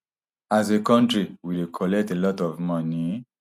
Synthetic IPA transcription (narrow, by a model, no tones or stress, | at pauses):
as̬ekɔ̃ntɾiwidekʰɔlɛk̚telɔtɔvmɔ̃nĩ